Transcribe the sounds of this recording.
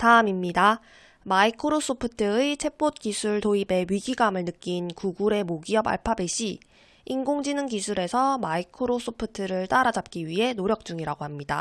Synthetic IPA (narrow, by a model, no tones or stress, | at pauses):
taɯmimɲida | maikʰɯɾos͈opʰɯtʰɯɯt͡ɕʰe̞p͈ot̚k͈isʰuɭtoibe̞ɥiɡiɡamɯɭnɯk͈inkuɡuɾe̞moɡiʌba̰ɭpʰabe̞ɕʰi | iŋɡoŋd͡ʑinɯnkisʰuɾe̞sʰʌmaikʰɯɾos͈ʰopʰɯtʰɯɾɯɭt͈aɾad͡ʑap̚k͈iɥiɦe̞noɾjʌk̚t͡ɕ͈uŋiɾaɡoɦhamɲida̰